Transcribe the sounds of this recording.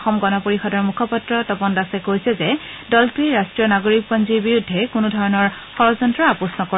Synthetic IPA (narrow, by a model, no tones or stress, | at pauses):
xɔmɡɔnɔpoɹixɔdɔɹmukʰɔpatɹɔtɔpɔndasɛkojsɛzɛ | dɔltɹiɹastɹijɔnaɡoɹik̚pɔnziɹbiɹudʱːɛkunudʱɔɹɔnɔɹ | xɔɹɔzɔntɹɔapɔsnɔkɔ